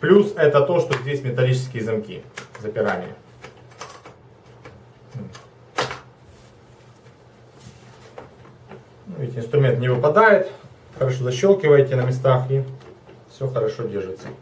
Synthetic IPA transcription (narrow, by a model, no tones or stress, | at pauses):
plʲusɛt̪ət̪o̞ʂt̪ozʲdʲesʲmʲɪt̪ɐlʲit͡ɕɪ̥skʲɪjəzɐmkʲḭzəpʲɪɾa̰nʲɪ̰jə̰ | nuvʲɪtʲɪnst̪ɾʊmʲe̞nt̪nʲɪvɨpɐd̪ajɪt̪ | xəɾɐʂozɐɕːolˠkʲɪvəjtʲɪnəmʲɪs̬t̪axifsʲo̞xəɾɐʂo̞dʲerʐɨt̪sə